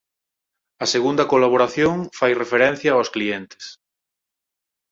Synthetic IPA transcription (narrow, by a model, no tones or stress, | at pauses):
ɐseɣund̪ɐkolaβ̞oɾaθjoŋfajrefeɾɛn̟θjɐawsklient̪ɪ̥s